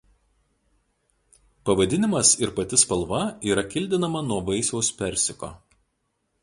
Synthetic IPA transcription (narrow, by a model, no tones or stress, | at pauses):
pɐʋɐd̪ʲɪnʲɪmɐsɪɾpɐt̪ʲɪspɐlˠʋɐiːɾɐkʲɪlʲd̪ʲɪnɐmɐnuɔʋɐɪsʲoʊspʲɛɾʲsʲɪko̰ː